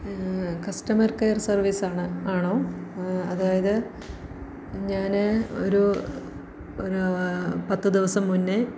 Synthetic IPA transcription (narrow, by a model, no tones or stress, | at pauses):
kɐsʈɐmɐrkɐjɐrsɐrʋisaːɳɨaːɳo̞ːɐðaːjɐðɨ | ɲaːno̞ɾu | oɾupɐt̪ːɨd̪iʋɐsɐmːunːɨ